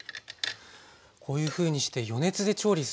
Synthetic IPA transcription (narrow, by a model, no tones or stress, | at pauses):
kʰo̞ːjɯ̟ːɸɯ̟ːɲ̟iɕi̥t̪e̞jo̞ne̞t͡sɨd̪e̞t͡ɕo̞ːɾʲis